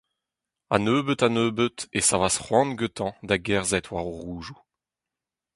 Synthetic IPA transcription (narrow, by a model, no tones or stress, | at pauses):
a̰nøːbət̪anøːbət̪esavasχwɑ̃nɡøt̪ʰɑ̃d̪aɡɛʁzɛt̪ʰwaʁoʁuːʒu